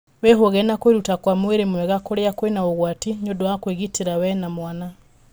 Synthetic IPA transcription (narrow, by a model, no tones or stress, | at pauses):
weɦoɣɛnakweɾutakwamweɾemwɛɣakoɾeakwenaoɣwatiɲodoakweɣiteɾawɛnamwana